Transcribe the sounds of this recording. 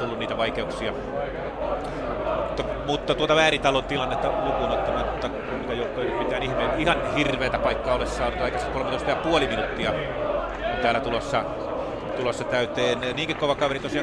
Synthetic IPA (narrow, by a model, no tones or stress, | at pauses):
t̪ulːuniːt̪æʋɑikeuksiɑ | t̪ːɑ | mut̪ːɑt̪uot̪ɑʋæːrit̪ɑlont̪ilɑnːet̪ːɑlukunot̪ːɑmɑnut̪ːɑ | umikæjoˑuk̪ːˑoˑeinypit̪ˑæːnihmeːnihɑnhirʋeːt̪æpɑikːɑːolessɑːnut̪ɑˑikɑsikolmet̪oˑist̪ɑjɑpuoliminut̪ːiɑ | ont̪æːlːˑæt̪ulosːɑ | t̪ulosːɑt̪æyt̪eːnniːŋkikkoʋɑkɑʋerit̪osiɑ